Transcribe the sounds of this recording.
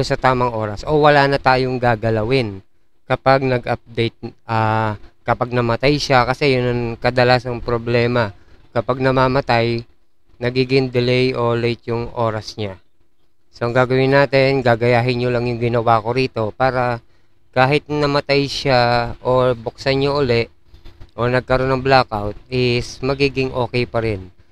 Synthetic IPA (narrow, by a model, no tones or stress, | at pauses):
ʊnsɐt̪aːmɐŋʔo̞ːɾɐsʔo̞wɐlaːnɐt̪aːjoŋɡaːɡɐlɐwɪn | kɐpaɡ̚nɐɡʔɐp̚d̪ɛjt̪̚ʔaːkɐpaɡ̚nɐmɐt̪ajʃakɐsɛjʊnɐŋkɐd̪ɐlaːsɐŋpɾoblɛːmɐkɐpaɡ̚nɐmaːmɐt̪aj | nɐɡiːɡɪŋd̪ɛlɛjʔo̞lɛjt̪̚jʊŋʔo̞ːɾɐsɲa | soʔɐŋɡaːɡɐwɪnaːt̪ɪnɡaːɡɐjaːɦɪnɲolɐŋjʊŋɡɪnɐwaːko̞ɾiːt̪o̞paːɾɐ | kaːɦɪt̪̚nɐmɐt̪ajʃaʔo̞bok̚saɲːoʔʊlɛʔ | ʔo̞nɐɡ̚kɐɾo̞nːɐŋblakawt̪̚ʔɪsmɐɡiːɡɪŋʔo̞ːkɛjpɐɾɛn